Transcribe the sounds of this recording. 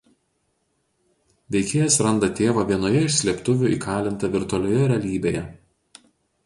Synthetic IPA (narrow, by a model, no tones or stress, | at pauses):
ʋʲɛɪkʲeːjɛsɾɐnd̪ɐt̪ʲeːʋɑʋʲiɛnoːjɛɪʃʲsʲlʲiɛpt̪ʊʋʲʊˑḭːkʰɑːlʲɪnt̪ɐʋʲɪɾt̪ʊɐlʲoːjɛɾʲɛɐlʲiːbʲeːjɛ